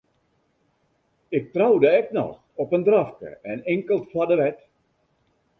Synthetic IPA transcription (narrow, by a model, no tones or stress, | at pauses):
ɪk̚trawdəɛknɔ̰x | ɔpəndrafkə̰ɛnɪŋkəlˠtfwadəʋɛt